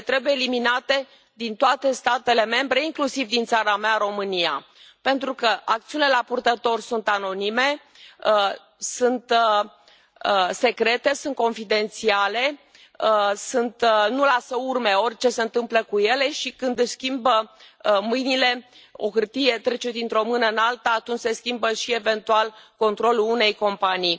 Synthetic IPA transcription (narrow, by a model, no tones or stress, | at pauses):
t̪ɾe̞bujeːliminat̪e̞ | d̪int̪oat̪e̞st̪at̪e̞le̞me̞mbɾe̞iŋklusivd̪int̪saɾameaɾo̞mɨnija̰ | pe̞nt̪ɾukəʔak̚t̪siunilelapurt̪ət̪o̞rsunt̪ano̞nime̞ | sunt̪ | se̞kɾe̞t̪e̞sunt̪̚ko̞nfid̪e̞nt̪siale̞ | sunt̪nulasəurme̞o̞rʲt͡ʃe̞se̞ɨnt̪ɨmpləkuje̞le̞ʃikɨnd̪skʲimbəmɨjnile̞ | o̞xɨrt̪ije̞t̪ɾe̞t͡ʃed̪int̪ɾo̞mɨnəɨnalt̪aːt̪unt͡ʃʲse̞skʲimbəʃie̞ve̞nt̪ualko̞nt̪ɾo̞luune̞jko̞mpanij